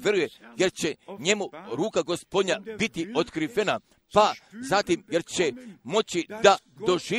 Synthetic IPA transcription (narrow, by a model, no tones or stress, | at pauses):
ʋje̞ɾujeje̞ɾt͡ɕe̞ɲe̞muɾuːkaɡo̞spo̞d̪ɲabit̪io̞t̪kɾiʋena | pazat̪imje̞ɾt͡ɕe̞mo̞t͡ɕid̪ad̪o̞ʒiː